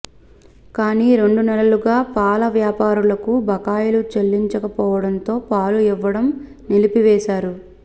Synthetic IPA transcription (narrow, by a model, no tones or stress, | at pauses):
kaːniːɾe̞ɳɖunɛlɐluɡaːpaːlɐʋjaːpaːɾulɐkubʱɐkaːjɐlut͡ʃelːiɲt͡ʃɐkɐpɔːʋɐɽɐnt̪o̞ːpaːluiʋːɐɽɐm | nilipiʋɛːʃaːɾu